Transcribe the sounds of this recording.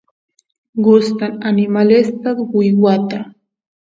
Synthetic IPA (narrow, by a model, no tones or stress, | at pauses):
ɢʊst̪ananɪmalest̪awʊjwat̪a